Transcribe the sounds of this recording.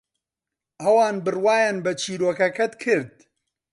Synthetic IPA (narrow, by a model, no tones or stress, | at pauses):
ɐwaːnbɨrwaːjaːnbɐt͡ʃʰiːɾoːkɐkɐt̪kʰɨɾd̪̚